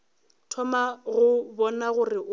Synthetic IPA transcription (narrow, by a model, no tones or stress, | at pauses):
tʰɔmaɣʊbɔnaɣʊrɪʔ